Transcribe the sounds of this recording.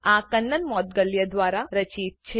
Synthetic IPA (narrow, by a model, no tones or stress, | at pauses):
ãkənːənmɔːt̪̚ɡəljəd̪ʋaːɾaɾət͡ʃiːt̪̚t͡ʃʰe